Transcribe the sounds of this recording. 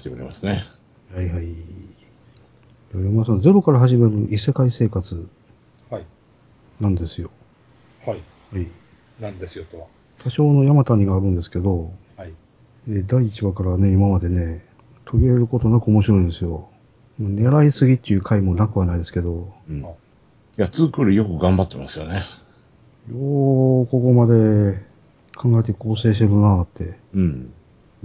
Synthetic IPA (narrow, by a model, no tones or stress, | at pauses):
t̪ekɯɾḛma̰sɨne | haiɦai | jaɾeminas̬and͡ze̞ɾo̞kaɾaɦaʑime̞ɾɯ̟ʔise̞kaise̞ːkat͡sɨ | nãnd̪e̞sɨjo̞ | h | hai | ad̪esot̪ | t̪ʰaɕo̞ːno̞jamat̪aɲ̟iɡaːɾɯ̟̃nd̪e̞sɨ̥ke̞d̪o̞ | eːd̪aiːt͡ɕiβakaɾane̞imamad̪e̞ne̞ | t̪ʰo̞ɾʲieɾɯ̟ko̞t̪o̞nakɯ̟omo̞ɕiɾo̞ĩnd̪e̞sɨjo̞ | mane̞ɾaisɨɡʲit̪ːe̞jɯ̟ːkʰaimo̞nakɯ̟βanaid̪esɨ̥ke̞d̪o̞ | at͡sɨːkɯːɾɯjo̞kɯ̟ɡãmbat̪ːe̞ma̰sɨjo̞ne | joːko̞ko̞mad̪e̞ | kʰãŋɡaet̪̬e̞ko̞ːse̞ːɕ̬t̪e̞ɾɯnaːt̪ːẽ̞